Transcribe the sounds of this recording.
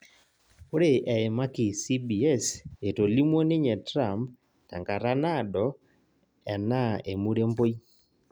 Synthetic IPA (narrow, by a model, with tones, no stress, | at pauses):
o˦ɾe˨ʔɛ˨ɪ˨ma˦kɪ˨si˦bi˨ɛ˦se˨to˨li˦mwo˦nɪ˦ɲɛ˨tɾa˨mp̚ | ta̰˨ŋka˨ɾa˦na˦dɔ˨ | ɛ˨na˦e˨mu˦ɾe˦mbo˦j